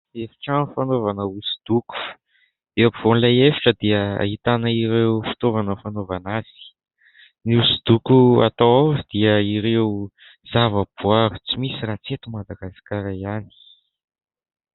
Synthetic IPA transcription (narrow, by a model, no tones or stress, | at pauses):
efi̥ʈ͡ʂanfanovanəusu̥d̪̥uku̥ | d̪̥epiv̥onlajefiʈ͡ʂəd̪iəa̰it̪anəiɾewfi̥t̪ovanəfanovanaz̥i̥ | niusud̪ukua̰t̪aod̪̥iəiɾeu | z̥avəb̥uavu̥t͡simisiɾat͡set̪umad̪aɡasḁkaɾajani̥